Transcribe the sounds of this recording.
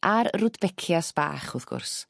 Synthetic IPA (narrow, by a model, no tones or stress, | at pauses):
ʔaɾrʊdbɛkʰjasb̥a̰ːχʊθɡ̥ʊ̰rs